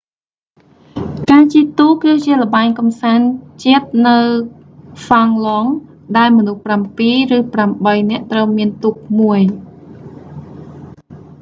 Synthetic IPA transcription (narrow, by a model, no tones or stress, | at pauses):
kaːt͡ɕiət̪uːkɨːt͡ɕiələ̆ɓaɛŋkɑmsaːnt͡ɕiət̪̚nɨw | faŋlɔŋ | ɗaɛlmɔnuhprampiːrɨːpramɓəjnɛ̆əʔt̪rəwmiənt̪uk̚muəj